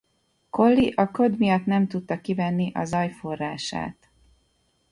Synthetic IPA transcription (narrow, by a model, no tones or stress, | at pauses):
ko̞lːiʔɒkø̞d̪mijɒt̪nɛmt̪ut̪ːɒkivɛnːiʔɒ̰zɒjfo̞rːaːʃa̰ːt̪